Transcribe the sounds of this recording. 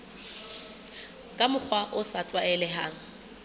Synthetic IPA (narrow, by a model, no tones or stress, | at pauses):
kʼamʊk͡xʰwaʔʊsatʼwaɛlɛɦaːŋ̩